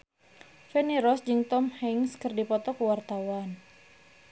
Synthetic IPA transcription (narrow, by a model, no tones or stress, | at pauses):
fɛniɾɔsd͡ʒɨŋt̪ɔmhɛŋskɨrdipɔt̪ɔkəwart̪awan